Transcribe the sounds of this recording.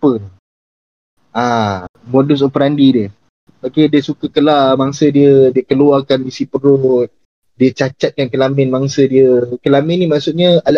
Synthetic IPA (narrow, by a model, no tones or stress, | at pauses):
ə | amodʊs̬opəɾandidiə | bakediəsukakəlamaŋsədiədiəkəluarkanisipəɾʊt̪̚ | diət͡ʃat͡ʃat̪̚kankəlamɪnmaŋsədiəkəlamɪ̃nːimaʔsʊʔ̪̚ɲaal